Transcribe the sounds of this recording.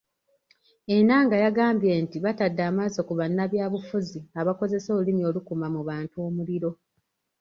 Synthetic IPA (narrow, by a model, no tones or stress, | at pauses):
e̞naŋɡajaɡaːmbje̞ːntiβatadːaːmazokuβanːaβjaːβufuziaβako̞ze̞so̞ːulimio̞lukumamuβaːntuo̞ːmuliɾo̞